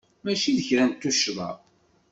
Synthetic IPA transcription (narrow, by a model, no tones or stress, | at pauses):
mæʃiðəçɾænt̪ːuʃðˤɑ̰